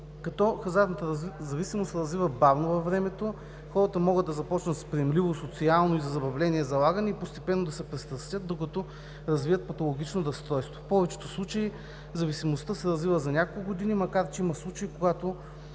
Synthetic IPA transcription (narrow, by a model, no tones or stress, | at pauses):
kɐt̪ɔxɐzaɾnət̪əzɐvisimosɾɐzvivəbavnovɐfːɾɛmɛt̪o | xɔɾət̪əmɔɡəd̪ɐzɐpɔt͡ʃnət̪spɾiɛmlivosot̪sialˠnoizɐzɐbɐvlɛniɛzɐlˠaɡənɛipost̪ɛpɛnːod̪ɐsɛpɾɛst̪ɾɐst̪ʲjət̪̚d̪okɐt̪ɔ | ɾɐzvivət̪̚pɐt̪olˠoɡʲit͡ʃnod̪ɐst̪ɾɔjst̪vo̥fpɔvɛt͡ʃɛ̥t̪oslˠut͡ʃɐi | zɐvisimost̪əsɛɾɐzvivəzɐnʲakolˠkʊɡod̪inimɐkaɾt͡ʃɛimɐslˠut͡ʃɐikoɡat̪o